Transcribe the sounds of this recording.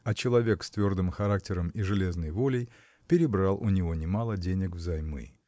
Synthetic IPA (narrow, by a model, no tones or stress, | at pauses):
ɐt͡ɕɪlˠɐvʲe̞kst̪vʲo̞rd̪ɨmxɐɾak̚tʲɪɾəmiʐɨlʲe̞znəjvo̞lʲɪj | pʲɪɾʲɪbɾalˠʔʊnʲɪvo̞nʲɪmalˠədʲenʲɪkvzɐjmɨ̰